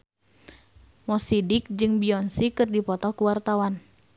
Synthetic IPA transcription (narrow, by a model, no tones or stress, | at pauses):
mɔsidik̚d͡ʒɨŋbiɔnsikɨrdipɔt̪ɔkuwart̪awan